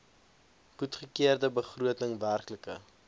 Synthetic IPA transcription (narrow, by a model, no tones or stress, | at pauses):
χutχəkiərdəbəχruətəŋværkləkə̰